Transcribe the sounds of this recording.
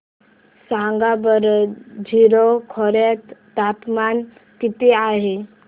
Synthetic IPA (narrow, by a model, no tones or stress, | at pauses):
sãŋɡabəɾd͡ʑʱiɾokʰɔɾet̪t̪apman | t̪it̪eaɦe